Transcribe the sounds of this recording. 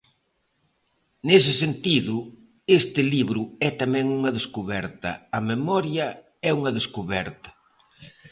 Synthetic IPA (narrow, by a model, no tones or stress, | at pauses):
nes̬ɪsent̪iðʊ | est̪ɪliβɾʊɛt̪amɛ̃ŋuŋɐðeskuβɛɾt̪ɐ̰ɐmemɔɾjɐ | ɛuŋɐðeskuβɛɾt̪ɐ̥